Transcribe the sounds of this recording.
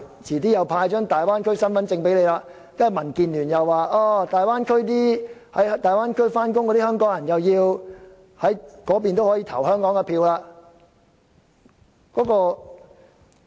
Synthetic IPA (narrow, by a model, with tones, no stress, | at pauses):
t͡sʰiː˨˩t̪iː˥jɐ˨˧wpʰaː˧jt͡ʃœː˥ŋt̪aː˨jwaː˥nkʰɵ˥ɥsɐ˥nfɐ˨˥nt͡sɪ˧ŋpe˨˥jle˨˧jlaː˧ | jɐ˥˨mɐ˨˩nkiː˨nlyː˨˩njɐ˨wːaː˨˧ʔaː˧˩t̪aː˨jwaː˥nkʰɵ˥ɥt̪̬iː˥hɐ˨˥jt̪aː˨˩jwaː˥nkʰɵ˥ɥfaː˥nk̬ʊ˥ŋkːɔ˨˧t̪iː˥hœː˥ŋkɔː˨˥ŋjɐ˨˩njɐ˨wjiː˧w | hɐ˨˥jkɔː˨˥p̬iː˨nt̪o˥whɔː˨˥jiː˧t̪ʰɐ˨˩whœː˥ŋkɔː˨˥ŋkɛ˧pʰiː˧wlaː˧ | kɔː˨˥kɔː˧